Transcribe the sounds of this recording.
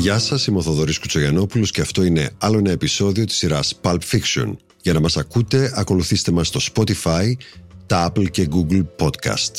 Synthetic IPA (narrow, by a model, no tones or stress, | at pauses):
ʝɐsɐsimoθoðo̞ɾiskut͡soʝɐno̞pulosce̞ɐft̪o̞ine̞̰ɐlo̞enɐe̞piso̞ðio̞t̪i̥siɾɐspɐlpfiksio̞̰n | ʝɐnɐmɐsɐkut̪e̞ɐko̞luθist̪e̞mɐst̪o̞spo̞t̪ifɐjt̪ɐɐplce̞ɡuɡlpo̞t̪kɐ̰st̪